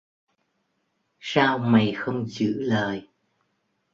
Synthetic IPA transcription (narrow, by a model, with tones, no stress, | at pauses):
saː˧wma˨˩jxə˧wŋ͡mzɨ̰˧˥ləː˨˩j